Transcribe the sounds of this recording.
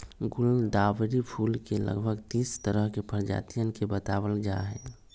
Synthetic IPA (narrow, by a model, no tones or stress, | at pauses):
ɡʊld̪aːʋɾipʰuːlkelə̰ɡbʱəɡt̪iːst̪əɾəɦkepəɾd͡ʒa̰t̪ijənkebət̪aːbəld͡ʒaɦɛː